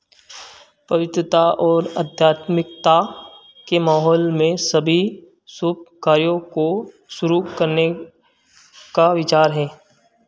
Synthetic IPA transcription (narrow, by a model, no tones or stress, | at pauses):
pɐʋɪt̪ɾət̪aʔɔːɾə̰d̪ʱjaːt̪mɪk̚t̪a | kemaːɦɔːlmẽsɐbʱi | sʊb̚kaːɾjõko | ʃʊɾukɐɾne | kaʋɪt͡ʃaːɾɦɛː